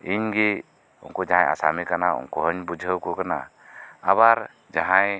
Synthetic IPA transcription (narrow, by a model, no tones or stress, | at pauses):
iɲɡi | ṵŋkɔd͡ʒaãja̰samikanaṵŋkɔɦəɲbud͡ʒʱəwkɔkana̰ | aβaɾ | d͡ʒaɦãj